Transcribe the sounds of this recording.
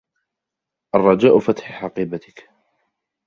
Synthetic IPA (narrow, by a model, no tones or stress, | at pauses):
ʔɑrˤːɑd͡ʒaːʔʊfat̪ħħɑqiːbat̪ɪk